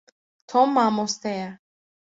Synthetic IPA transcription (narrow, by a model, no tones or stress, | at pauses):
t̪ʰɔmːamɔst̪ɛja